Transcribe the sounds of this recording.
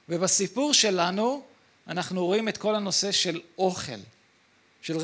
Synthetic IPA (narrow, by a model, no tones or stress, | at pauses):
vebasipuʁʃe̞lanu | anaχnuʁoimet̪ko̞lano̞se̞ʃe̞loχḛl | ʃel